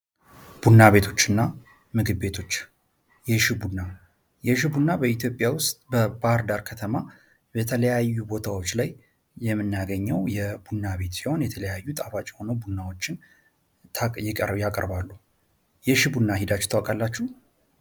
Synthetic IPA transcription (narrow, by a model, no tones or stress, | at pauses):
b̥unːaβe̞t̪ʰo̞t͡ʃːɨnːa | mɨɡɨbːe̞t̪ʰo̞t͡ʃː | jɛʃɪbunːa | jɛʃɪbunːabəit̪ʰjo̞pʼjawʊst̪ʼbəbahɾd̪aɾkʰət̪ʰəma | bət̪ʰələjajːubo̞t̪ʰawo̞t͡ʃːlajː | ɛmːɨnːjaɡəɲːəwjɛbunːaβe̞t̪siho̞njɛt̪ʰələjajːut̪ʼafat͡ʃʼɛho̞nəwbunːawo̞t͡ʃːɪnʰ | jɪkʼəjakʼə̰ɾbalːu | jɛʃibunːaɦid̪at͡ʃːu̥t̪ʰəwakʼalːat͡ʃːuh